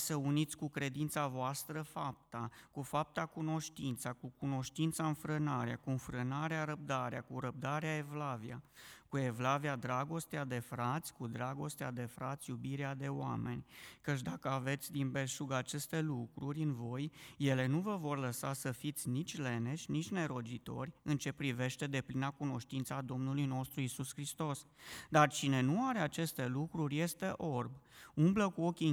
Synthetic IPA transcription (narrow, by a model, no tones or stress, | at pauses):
səunit̪sʲkukɾe̞d̪int̪savoast̪ɾəfap̚t̪akufap̚t̪akuno̞ʃt̪int̪sakukuno̞ʃt̪int̪saɨnfɾɨnaɾeakuɨnfɾɨnaɾeaɾəp̚d̪aɾeakuɾəp̚d̪aɾeae̞vlaviakue̞vlaviad̪ɾaɡo̞st̪ead̪e̞fɾat̪sʲkud̪ɾaɡo̞st̪ead̪e̞fɾat̪sʲjubiɾead̪e̞oa̰me̞̰nʲkət͡ʃ̬d̪akəave̞t̪sʲd̪inbe̞ʃuɡat͡ʃe̞st̪e̞lukɾuɾʲɨnvo̞jːe̞le̞nuvəvo̞rləsasəfit̪sʲnit͡ʃʲle̞ne̞ʃʲnit͡ʃʲne̞ɾo̞d͡ʒit̪o̞̰rʲɨnt͡ʃe̞pɾive̞ʃt̪e̞d̪e̞plinakuno̞ʃt̪int̪səad̪o̞mnulujno̞st̪ɾuisuskɾist̪o̞sd̪art͡ʃine̞nuaɾe̞at͡ʃe̞st̪e̞lukɾurʲje̞st̪e̞ʔo̞rbumbləkuo̞kʲi